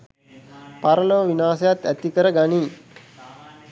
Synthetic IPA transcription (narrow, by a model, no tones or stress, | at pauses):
paɾəloʋʋinaːsɐjat̪æt̪ikəɾəɡaniː